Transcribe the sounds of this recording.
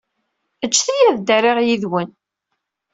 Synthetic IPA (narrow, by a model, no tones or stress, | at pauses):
ət͡ʃːθijæðd̪æriʁjiðwən